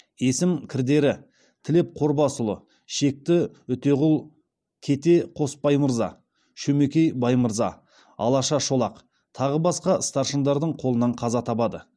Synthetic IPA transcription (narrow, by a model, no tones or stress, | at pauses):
e̞sɪmkʲʰɪɾd̪e̞ɾɪ | t̪ʰɪlɪp̚qʰo̞ɾbɑsʊlˠə | ʃe̞k̚t̪ɪʏt̪e̞ʁʊlˠ | kʲʰe̞t̪e̞qʰo̞spɑjməɾzɑ̰ | ʃɵme̞kʲe̞jbɑjməɾzɑ | ɑ̰lˠɑʃɑʃo̞lˠɑq | t̪ʰɑʁəbɑsqɑəst̪ɑɾʃənd̪ɑɾd̪əɴqʰo̞lˠənɑɴqʰɑzɑt̪ʰɑpɑd̪ə